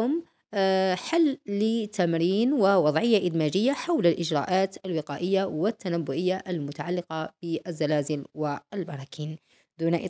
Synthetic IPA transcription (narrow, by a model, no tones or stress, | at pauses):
ʊm | ħalːɪt̪amɾiːnwɪwɑd̪ˤʕɪjːaʔɪd̪maːd͡ʒɪjːaħawlalʔɪd͡ʒɾˤɑ̰ːʔaːt̪alwɪqaːʔɪjːawɪt̪ːanabːʊʔɪjːaʔalmʊt̪aʕalːɪqɑb̥ɪʔazːalaːzɪlwɪlbɑɾˤɑːkʰiːn | d̪uːnaʔɪ